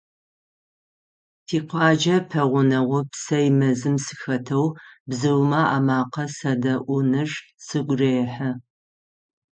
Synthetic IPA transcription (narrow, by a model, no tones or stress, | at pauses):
tʰiːqʷɑːd͡ʒɐpʰɐʁʷʊnɐʁʷʊpsɐjmɐzɨmsɨxɐtʰɐwbzɨwmaʔaːmaːqɐsɐdɐʔʷʊnɨʒsɨɡʷʼreːħɐ